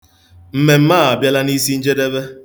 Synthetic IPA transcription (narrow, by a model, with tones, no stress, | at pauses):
m̩˦me˨m̩˦maː˦˨a˨bja˦la˦ni˦si˦n̩˦d͡ʒe˦de˦be˦